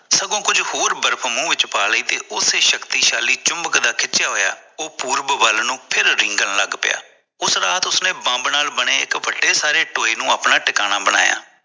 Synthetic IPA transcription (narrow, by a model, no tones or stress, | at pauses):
səɡõːkʊd͡ʒhoːɾbəɾpʰmũːʋɪt͡ʃpaːləiːt̪ḛːʔʊseːʃəkt̪iːʃaːliːt͡ʃʊmbəkd̪aːkʰɪt͡ʃːt͡ʃɪjaːɦoːja̰ːoːpuːɾbʋəlnũːpʰɪɾɾɪŋɡənləɡpɪ̰ja̰ː | ʊsɾaːt̪ʊsnẽːbãːmbnaːlbəɽeːɪkʋəɖːeːsaːɾeːʈoːiːnũːaːpnaːʈɪkaːnaːbəɽ̃a̰ːja̰ː